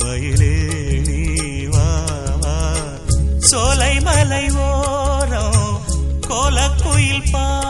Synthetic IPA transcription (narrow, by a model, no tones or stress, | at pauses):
ʋɐjɪleɳiʋaːʋaː | sɔlɐɪmɐlɐɪʋoːɾɐ | koːlɐkːʊjɪlpaː